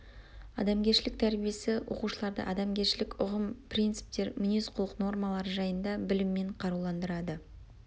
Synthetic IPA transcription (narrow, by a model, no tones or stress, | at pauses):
ɑ̰d̪ɑmɡʲe̞ɾʃɪlɪk̚t̪ʰæɾbije̞sɪwo̞̰quʃəlˠɑɾd̪ə̰ʔɑd̪ɑmɡʲe̞ɾʃɪlɪkʊʁəmprʲijnt̪sɨ̥p̚t̪e̞ɾmʏnesqʰʊlˠəqno̞rmalˠɑɾəʒɑjənd̪ɑbɪlɪmːe̞ɴqʰɑɾuwlˠɑnd̪əɾɑd̪ə